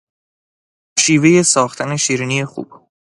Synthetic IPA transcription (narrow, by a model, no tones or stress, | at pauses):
ʃiːve̞je̞sɒːxt̪ʰæne̞ʃiːɾiːnije̞xṵb̥